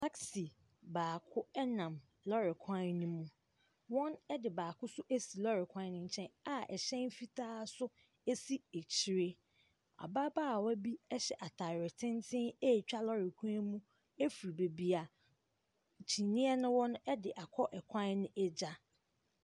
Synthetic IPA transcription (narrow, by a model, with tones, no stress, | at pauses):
tʰa˦ksi˨ | baː˨kʰʊ˦ɛ˦nã˨m | lɔ˦ɾɪ˨kʰã˦nũ˦mũ˦ | wɔ̃˦nɛ˦dɪ˨baː˨kʰʊ˦sʊ˦ʔe˦si˨lɔ˦ɾɪ˨kʷʰã˦n˦nʊ̃˦ɲ̩˨t͡ɕʰɛ̃˦na˨ʔɛ˨ɕɛ̃˦n˦fi˦tʰaː˦sʊ˦ | e˦si˦e˨t͡ɕʰi˦ɾe˦ | a̰˨ba˦baː˦˨wɔ˦bi˦ɛ˦ɕɛ˨ʔa˨tʰa˨ɾɪ˨tʰɪ̃˦ntʰɪ̃˦e˦˨t͡ɕᶣa˦lɔ˦ɾɪ˨kʷʰã˦nmũ˦ | e˦fɾi˨be˨bi˨a˨ | t͡ɕʰi˨nĩ˦ɛ˦nʊ̃˦wɔ̃˦n˦ɛ˦dɪ˨ʔa˨kʰɔ˦ʔɛ˨kʷʰã˦nnɪ̃˦ʔɛ˦d͡ʑa˦